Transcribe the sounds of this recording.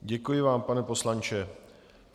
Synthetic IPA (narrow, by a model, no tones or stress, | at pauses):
ɟɛkujɪvaːmpanɛpo̞slant͡ʃɛ